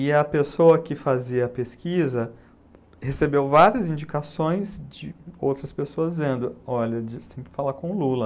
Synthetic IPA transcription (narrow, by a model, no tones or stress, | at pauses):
ɪɐpesowɐkɪfaziɐpeskizɐ | hesebewvaɾiɐzĩd͡ʒikasõj̃zd͡ʒɪowt̪ɾɐspesoɐzd͡ʒizẽnd̪ʊɔʎɐd͡ʒist̪ẽj̃kɪ̥falakõlulɐ